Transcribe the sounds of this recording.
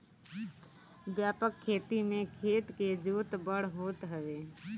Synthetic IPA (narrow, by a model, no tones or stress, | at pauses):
ʋjaːpəkʰːeːt̪imẽkʰeːt̪ked͡ʒuːt̪bəɽ̤ɦoːt̪ɦəʋeː